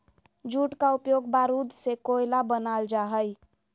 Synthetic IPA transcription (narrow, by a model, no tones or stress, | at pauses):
d͡ʒuːʈkaʊpjoːɡbaːɾud̪sekoːjlabənaːld͡ʒaɦəj